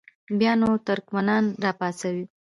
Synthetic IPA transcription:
bjɑnot̪ʊɾkmanɑnɾɑpɑsawi

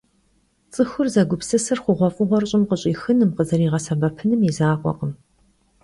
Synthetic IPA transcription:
t͡sʼɨxʊrzɐɡʷʊpsɨsɐrχʷʊʁʷɔfʼʊʁʷɔrɕʼɪmqəɕʼiːxɨnɨmqəzɐɾiːʁɐsɐbɐpʰɨnɨmizaːqʷʼɔ̰qəm

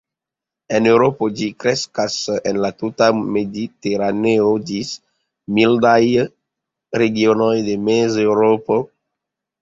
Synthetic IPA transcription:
enewɾopod͡ʒikɾeskasenlat̪ut̪amed̪it̪eɾaneod͡ʒis | mild̪aj | reɡjonojd̪emezewɾopo

